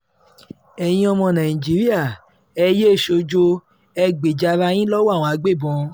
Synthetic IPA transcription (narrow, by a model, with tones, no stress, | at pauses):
ɛ˨j̃ĩ˧ɔ˧mɔ̃˧nã˨ĩ˨d͡ʒi˨˦ɾi˦a˦˨ | ɛ˧je˦˨ʃo˧d͡ʒo˧ | ɛ˧ɡ͡be˨d͡ʒa˧ɾa˧j̃ĩ˦lɔ˦wa˦˨w̃ɔ̃˧a˧ɡ͡be˦˨bɔ̃˧